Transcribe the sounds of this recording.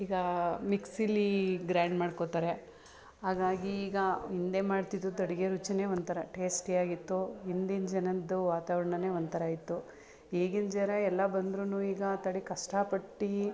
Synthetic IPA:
iːɡɐmiksilːiɡɾaːɳɖmaːɖkot̪aːɾe | ɦaːɡaːɡiːɡɐind̪eːmaːɖt̪id̪ːud̪ɔɽiɡeɾut͡ʃineːʋoɐnd̪t̪ʰɐɾɐʈe̞ːsʈiaːɡit̪ːuind̪ind͡ʒɐnɐd̪uʋaːt̪aːʋɐɾɐɳɐneːʋoɐnd̪t̪ʰɐɾɐaːjit̪ːu | eːɡind͡ʒɛɾɐɛlːɐbɐnd̪ɾunuːiːɡɐt̪ɐɽikɐʂʈɐpɐʈːi

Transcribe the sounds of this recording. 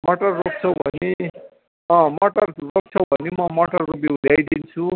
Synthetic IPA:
moʈʌrːok̚t͡sʰʌbʱʌ̰ne | ʌ̃mʌʈʌrrok̚t͡sʰʌwbʱʌnemʌmoʈʌrːobjeuljajd̪int͡sʰu

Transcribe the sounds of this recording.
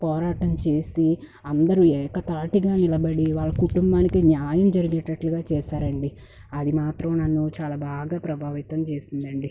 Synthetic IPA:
pɔːɾaːʈɐmt͡ʃe̞ːsi | ɐnd̪ɐɾuɛːkɐt̪aːʈiɡaːnilɐbɐɽiʋaːɭːɐkuʈumbaːnikinjaːjɐmd͡ʒɐɾiɡinɐʈnɐʈluɡaːt͡ʃɛːʃaːɾɐɳɖi | ɐd̪imaːt̪ɾɐmnɐnːut͡ʃaːlaːbaːɡaːpɾɐbʱaːʋit̪ɐmt͡ʃeːsind̪ɐɳɖi

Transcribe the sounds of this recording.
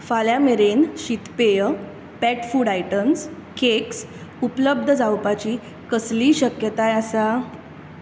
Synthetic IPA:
faljameɾenɕit̪pejə | pɛʈfuːɽajʈəms | kʰeks | upələb̚d̪ʱəd͡zawpat͡ɕiː | kəsliːɕəkjət̪ajasa

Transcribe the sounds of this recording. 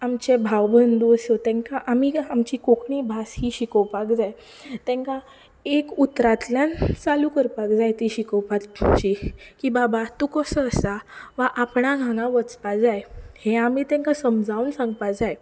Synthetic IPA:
amt͡ɕebʱawbənd̪usot̪ɛ̃ŋkaʔamiamt͡ɕikokɳibʱasɦiɕikəwpakd͡zaj | t̪ɛ̃ŋka | ekut̪ɾat̪ljant͡salukəɾpakd͡zajt̪iɕikəwpat̪t͡ɕikĩʋabat̪ukəsəːsaʋaʔapɳaɡʱãŋɡãʋət͡spad͡zajhẽamit̪ɛ̃ŋkasəmd͡zʱaunsãŋɡpad͡zaj

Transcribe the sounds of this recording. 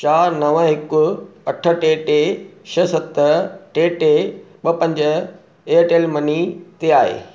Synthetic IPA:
t͡ɕaːɾnɐʋəɦɪkʊɐʈʰə̆ʈeʈeʃɐsɐt̪əʈeːʈe | ɓɐpɐ̃ɲd͡ʑ | eʈeːlmɐnit̪eaːɦḛː

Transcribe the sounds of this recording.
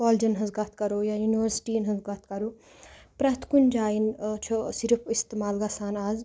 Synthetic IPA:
kɔːld͡ʒɐnɦɐzɡɐt̪ʰkɐɾoːjajuniʋəɾsi̥ʈiːnɦɐ̃nzɡɐt̪ʰkɐɾo | pɾɐt̪kund͡ʒaːjint͡ʃʰusiɾəpʰist̪emaːlɡasaːnaːz

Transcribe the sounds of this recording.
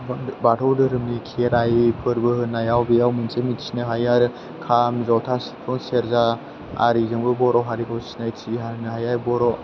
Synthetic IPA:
bbatʰɔwdɯɾɯmnikʰieɾajipʰɯɾbɯhɯnːajawbijawmɯnsemitsʰinɯɦajaɾ | kʰamzawtʰasi̥pʰɔŋseɾza | a̰ɾizɯŋbɯbɔɾɔɦaɾikʰawsinajtʰiɦanɯɦajaɾbɔɾɔ

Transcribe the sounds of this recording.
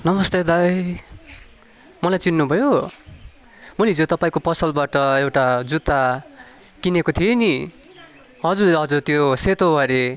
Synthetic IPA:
nʌmʌst̪ed̪aj | mʌlajt͡sinːubʱʌjo | mʌleɦid͡zot̪ʌpaĩkopʌsʌlbaʈʌewʈad͡zut̪a | kinekot̪ʰieni | ɦʌd͡zurʌd͡zurt̪joset̪obʌɾe

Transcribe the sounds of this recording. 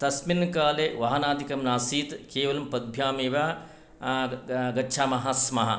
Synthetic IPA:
t̪ɐsminkaːleʋɐɦɐnaːd̪ʱikɐmnaːsiːt̪keːʋɐlɐmpɐd̪̚bʱjaːmeːʋaː | ɡɐtːʃʰaːmɐɦɐsmɐɦɐ̰

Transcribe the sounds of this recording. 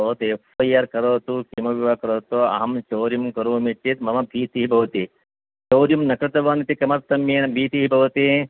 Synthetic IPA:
ɐːt̪efʰojɐɾkɐɾoːt̪ukimɐʋiʋaːkɐɾoːt̪oɐ̰ɦɐmt͡ʃoːɾjɐmkɐɾuɐmit͡ʃːit̪mɐmɐbʱiːt̪iɦibʱɐʋɐt̪i | t͡ʃoːɾjumnɐkɾɨt̪ɐʋaːnit̪ikɐmɐɾt̪ɐmjeːnbʱiːt̪iɦibʱɐʋɐt̪i

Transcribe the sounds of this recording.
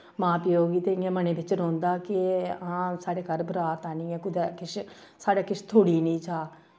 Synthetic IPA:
mãːpːoːɡiːt̪eːɪẽːmənẽːbɪt͡ʃɾɔ̃ːnd̪aːkɪãːsaːɽeːkəɾbəɾaːt̪aːnĩːɛ̃ːkʊd̪ɛːkɪʃsaːɽaːkɪʃt̪ʰoːɽiːnə̃ːt͡ʃaː

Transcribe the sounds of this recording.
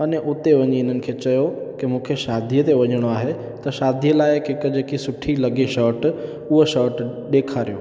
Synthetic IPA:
ɐneʔʊt̪eʋɐɲeɪn̤ənɪ̆kʰeːt͡ɕɐjokɪmũːkʰeʃaːd̪ʱijət̪eʋɐɲəɽ̃oaːɦe | t̪ɐʃaːd̪ʱijəlaːɪkɦɪkəd͡ʑeːkisʊʈʰilɐɠeʃɔːɾʈ | ʊɦoʃɔːɾʈ | ɗeːkʰaːɾijo̰ː

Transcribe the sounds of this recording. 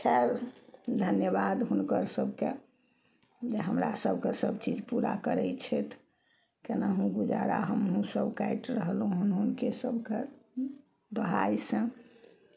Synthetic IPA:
kʰeɾd̪ʱənjəbad̪ɦunkəɾsəbʱke | d͡ʒeɦəmɾa̰səbʱkesəbt͡ʃid͡ʒpuɾa̰kəɾɛt͡ʃʰɛt̪ʰ | kenaɦũɡud͡ʒa̰ɾa̰ɦəmɦũsəbkajʈɾəɦəlɦũɦunɦunkesəbʱke | bəɦa̰jsə̃

